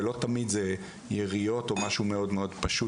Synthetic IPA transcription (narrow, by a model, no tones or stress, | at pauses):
lo̞t̪amid̪ze | jeʁijo̞t̪o̞maʃume̞o̞d̪meo̞dpaʃu